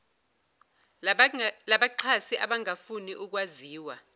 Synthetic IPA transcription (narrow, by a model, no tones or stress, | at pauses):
laɓaǀʰasiʔaɓaŋʱafuniʔuk̬waziːwa